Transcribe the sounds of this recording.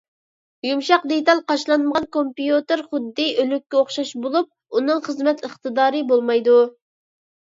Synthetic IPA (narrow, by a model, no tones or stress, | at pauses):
jumʃɑqd̪et̪ɑlˠqɑʃlˠɑnməʁɑnkompijut̪ɨɾχʊd̪ːɨølykʲːɛoχʃɑʃbolˠup̚ | unɨŋχəzmɛt̪əχt̪ɨd̪ɑːɾɨbolˠmɑjd̪u